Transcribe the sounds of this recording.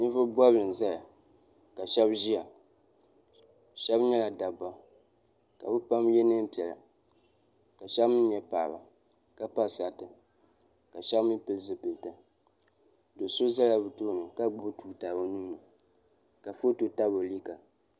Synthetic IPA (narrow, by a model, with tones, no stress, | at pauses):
nɨ˦vʊ˦bwa˦bɨ˨n˨za˦ja˨ | ka˨ʃɛ˦bʒi˦a˨ | ʃɛ˦bɲɛ˦la˨da˨ba˦ | ka̰˨bɨ˦pa˦mjɛ˦nɨ˦m˦pi˨ɛ˨la̰˨ | ka˨ʃɛ˦bmɨ˦n˦ɲɛ˦paː˨ba˨ | ka˦pa˦˨sa˨tɨ˨ | ka˨ʃɛ˦bmɨ˦pɨ˦lzɨ˨pɨ˨ltɨ˦ | do˨so˦za˦la˨bɨ˨toː˦˨nɨ˨ka˦ɡ͡bʊ˦tuː˨taː˨bo˦nu˦na˨ | ka˨fo˦to˨ta˦bo˨li˦ka˨